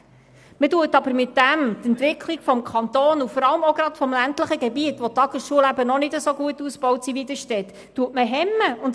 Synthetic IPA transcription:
mətuətɑbəɾmɪtːæmt̪ɛntʋɪkʰliɡ̥fɔmkʰɑnt̪oːnufɔɾɑləmɔɡɾɑtfɔmlæntləχəɡɛbiətʋɔtɑɡ̥əsʃuəlæbənɔnɪdəsoɡuətːuspɔwtsiʋidəʃtɛt̪ːuətməɦɛmːəʊnd

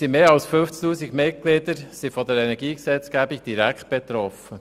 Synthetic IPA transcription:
simeːɑlsfɵnft͡st̪uːsiɡmɪt̚klɪd̪əɾsifɔd̪əɾɛnɛɡiːksɛt͡sɡ̥æbiɡ̚d̥̪iɾækχt̪̚b̥ɛt̪ɾɔfə

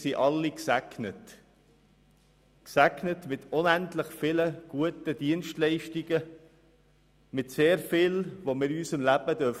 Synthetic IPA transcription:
siʔɑlːiksæknət | ksæknətmɪt̪ʊnæntləχfɪləɡ̥uətəd̥̪iənʃtlɛɪʃtiɡə | mɪtseːɾfɪlʋomɪɾysəmlæb̥əd̥̪œf

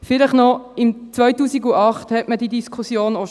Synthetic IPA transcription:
fɪləχnɔɪmt͡sʋœʏtuːsiɡuʔɑχthɛtməd̥idiskʰusjoːno

